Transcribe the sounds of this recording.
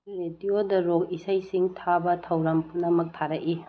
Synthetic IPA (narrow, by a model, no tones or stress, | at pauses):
ɾediodɐɾokisajsiŋtʰabɐtʰɐwɾɐmpʰunɐmɐk̚tʰaɾɐʔi